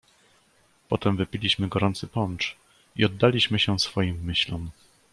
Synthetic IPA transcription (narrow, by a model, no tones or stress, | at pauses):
pɔt̪ɛmvɘpʲilʲiɕmɘɡɔɾɔnt̪sɘpɔnt͡ʂ | iɔd̪ːalʲiɕmɘɕɛsfɔjimːɘɕlɔm